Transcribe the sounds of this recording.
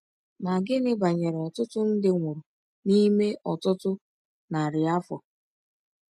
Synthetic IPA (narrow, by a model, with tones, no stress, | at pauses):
ma˨ɡɪ˦nɪ˦ba˨ɲe˨ɾe˨ɔ˨tʊ˦tʊ˦n̩˦dɪ˦ŋʷʊ˨ɾʊ˨ | ni˦me˦ʔɔ˨tʊ˦tʊ˦ | na˨ɾɪ˨a˦fɔ˨